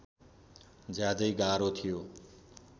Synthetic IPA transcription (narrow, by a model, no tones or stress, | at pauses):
d͡zjad̪ʌjɡaɾot̪ʰijo